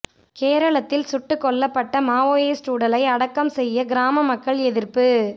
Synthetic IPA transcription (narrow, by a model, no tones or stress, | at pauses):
keːɾɐɭɐt̪ːɪlsʊʈːɯkːɔɭːɐpːɐʈːɐmaːoːeːsʈuːɽɐlɐɪɐɽɐkːɐmsɛjːɐɡɪɾaːmɐmɐkːɐɭɛðɪɾpɯ